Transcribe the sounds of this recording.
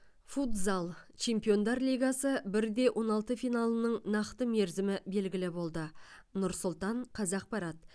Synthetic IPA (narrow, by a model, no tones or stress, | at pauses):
fut̪zalˠt͡ʃʰe̞mpijo̞nd̪ɑɾlʲijɡɑsəbɪɾd̪e̞wʔo̞nɑlˠt̪əfijnɑlˠənəɴnɑqt̪əme̞ɾzɪmɪbe̞lɡʲɪlɪbo̞lˠd̪ənʊɾsʊlˠt̪ɑɴqʰɑzɑq̚pɑɾɑt̪̚